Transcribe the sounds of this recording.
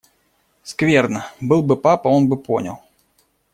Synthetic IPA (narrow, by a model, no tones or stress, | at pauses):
skvʲerd̪nəbɨlˠbɨpapɐo̞nbɨpo̰nʲə̰lˠ